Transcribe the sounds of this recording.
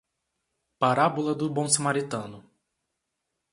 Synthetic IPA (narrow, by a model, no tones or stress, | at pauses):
paɾabulɐd̪ʊbõsamaɾit̪ɐ̃nʊ